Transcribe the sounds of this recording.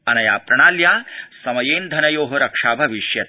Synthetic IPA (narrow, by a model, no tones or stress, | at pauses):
ɐnɐjaːpɾɐɳ̃aːljaːsɐmɐjeːnd̪ʱɐnɐjoːɦoɾɐkʂaːbʱɐʋiʃjɐt̪̚